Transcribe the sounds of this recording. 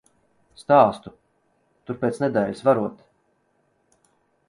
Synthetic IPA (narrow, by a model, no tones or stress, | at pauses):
st̪aːst̪u | t̪uɾpʲeːt̪snɛd̪ɛlʲisvaɾuɔt̪